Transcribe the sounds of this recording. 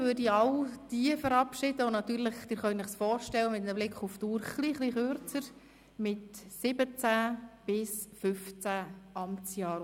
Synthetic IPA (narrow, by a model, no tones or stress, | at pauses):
ʋøɾdiɑʊd̥iəfəɾɑpʃɪdəonɑt̪yːɾləχd̥̪ɪːɾχœʏnnɪχsfɔːɾʃtɛlːəmɪt̪nəblɪkʰχuftuːɾχliχliχøɾt͡səɾ | mɪtsɪbət͡sæb̥ɪsfʏft͡sæʔɑmt͡sjɑːɾ